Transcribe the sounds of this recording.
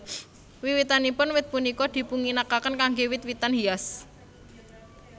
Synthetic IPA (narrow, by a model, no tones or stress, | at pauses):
wiwit̪anipʊnwɪt̪̚punikɔd̪̥i̤puŋinakakənkaŋɡewɪt̪wit̪anɦias